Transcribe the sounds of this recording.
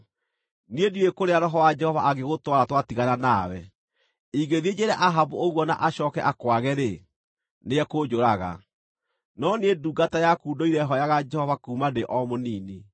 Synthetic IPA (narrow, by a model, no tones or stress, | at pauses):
nieduekoɾeaɾɔɦɔwad͡ʒɛhɔvaʔaɡeɣotwaɾatwatiɣananawɛ | iɡeðed͡ʑeɾɛʔaɦavooɣwɔna̰ʔaɕɔkɛʔakwaɣɛɾe | neɛkod͡ʒoɾaɣa̰ | nɔnieduːɡatajakuːdoiɾɛɦɔjaɣad͡ʒɛhɔvakuːmadeʔɔmoniːni